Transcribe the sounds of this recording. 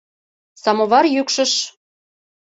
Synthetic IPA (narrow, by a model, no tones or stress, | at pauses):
sɑmoβɑrjykʃə̆ʃ